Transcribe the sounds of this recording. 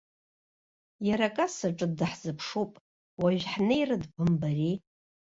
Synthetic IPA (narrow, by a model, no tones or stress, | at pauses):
jaɾakʼasaʈ͡ʂʼɨdɨħzɨpʰʂupʼ | waʒᶣħnɨjrɨdbɨmbari